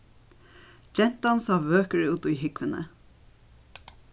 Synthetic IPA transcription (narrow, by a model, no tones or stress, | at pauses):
d͡ʒɛn̥t̪ansɑːʋøːkəɹɪuːt̪ujɦɪkʋənə̰